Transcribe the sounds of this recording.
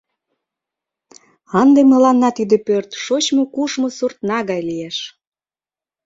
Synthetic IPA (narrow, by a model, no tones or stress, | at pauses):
ɑnd̪emə̆lɑnːɑt̪id̪ĕpørt̪ʃot͡ɕmokuʃmosurt̪nɑɣɑjlijeʃ